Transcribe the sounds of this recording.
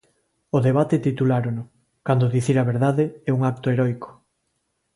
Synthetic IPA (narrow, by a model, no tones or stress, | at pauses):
ʊðeβ̞at̪et̪it̪ulaɾonʊ | kand̪oðiθiɾaβeɾðaðeɛuŋak̚t̪oeɾɔjko̥